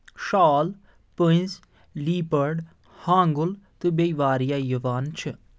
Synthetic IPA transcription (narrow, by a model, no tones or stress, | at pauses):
ʃaːl | pə̃z | liːpəɾɖ | hãːŋɡult̪ɨbejʋaːɾijaːjuʋaːnt͡ʃʰɨ